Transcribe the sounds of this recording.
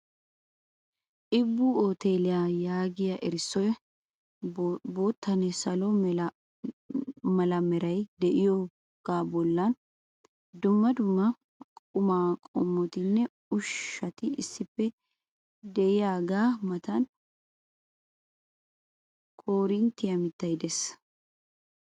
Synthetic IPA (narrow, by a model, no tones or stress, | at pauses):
ʔɪbːʊoːt̪eːlɪjajaːɡɪjɐʔɛɾɪsːɔjɐ | bo̞ːt̪ʰːɐnɛsɐlɔ | mɐlɐmɛɾɐjd̪ɛʔɪjɔ | ɡ̥aːbɔlːɐn | d̪ʊmːɐd̪ʊmːɐ | kʼʊmaːkʼɔmːɔt̪ɪnːɛ | ʊʃːɐt̪ɪɪsːɪpːɛ | d̪ɛʔɪjaːɡaːmɐt̪ɐn | kʼoːɾɪnt̪ːɪjɐmɪt̪ːɐjd̪ɛs